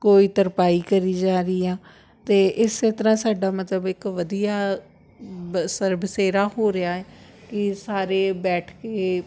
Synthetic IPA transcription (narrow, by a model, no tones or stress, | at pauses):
koːiːt̪əɾpaːiːkəɾiːd͡ʒaːɾiːãː | t̪eːʔɪsːet̪əɾãːsaːɖaːmət̪ləbɪkʋəd̪ijaː | səɾbseːɾaːhoːɾɪaːɛːkɪsaːɾeːbɛːʈʰkeː